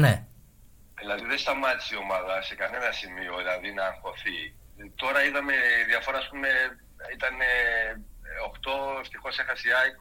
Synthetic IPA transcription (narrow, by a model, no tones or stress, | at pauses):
ne | ðilɐðiðest̪ɐmɐt̪i̥sio̞mɐðɐse̞kɐne̞nɐsimio̞ðilɐðinɐfo̞θit̪o̞ɾɐiðɐme̞iðiɐfo̞ɾɐːspume̞ | it̪ɐne | oxt̪o̞eft̪ixo̞sexɐsiɐk